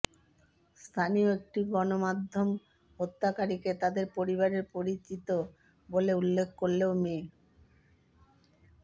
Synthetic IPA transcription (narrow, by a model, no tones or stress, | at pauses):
st̪ʰanioek̚ʈiɡɔnomad̪ʱːom | ɦot̪ʰːakaɾiket̪ad̪eɾpoɾiβaɾeɾpoɾit͡ɕit̪o | boleulːekʰkoɾleomel